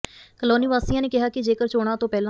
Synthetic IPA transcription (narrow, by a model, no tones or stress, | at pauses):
kəloːniːʋaːsiːãːneːkɪɦaːkɪd͡ʒeːkəɾt͡ʃoːɽ̃ãːt̪õːpɛːlã